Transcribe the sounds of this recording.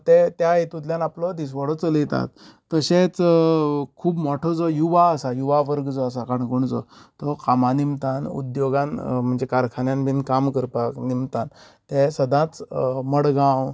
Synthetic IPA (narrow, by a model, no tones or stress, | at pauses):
t̪et̪jaet̪ut̪̬ljanaplɔd̪is̬ʋɔɽɔt͡səlit̪a̰t̪ː | əɕet͡s | kʰuːbmɔʈʰɔd͡zɔjuʋaəsajuʋaʋəɾɡd͡zɔas̬akaɳkoɳd͡zɔ̰t̪ɔkamanimt̪anṵd̪joɡãnm̤əɳd͡zekaɾkʰanjanbʱinkamkəɾpaknimt̪an | t̪ẽsəd̪ʱãt͡sməɽɡãw